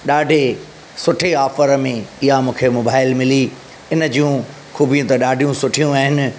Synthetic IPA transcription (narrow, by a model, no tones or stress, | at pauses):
ɗaːɖʱe | sʊʈʰeaːfəɾmẽɪɦamũːkʰemoːbaːɪlmɪli | ɪnəd͡ʑijũ | xuːbʱijũt̪ɐɗaːɖʱijũsʊʈʰijũaːɦɪnɪ̆